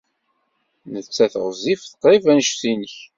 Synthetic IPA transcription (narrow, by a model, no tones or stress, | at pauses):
nət͡sːæθʁzˤːifθə̥qɾˤivænʃθinəç